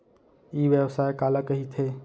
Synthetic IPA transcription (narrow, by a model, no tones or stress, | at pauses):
iːʋjəʋsaːjkaːləkəɦit̪ʰeː